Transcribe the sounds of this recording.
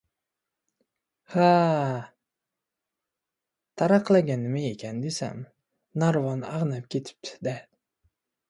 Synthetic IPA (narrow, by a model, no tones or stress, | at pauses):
ha | t̪ʰaɾɑqlˠaɡʲanɪmaekʲʰand̪esa̰m | naɾvanaʁnap̚kʲʰet̪ʰɪ̥p̚t̪ʰɪ̥d̪a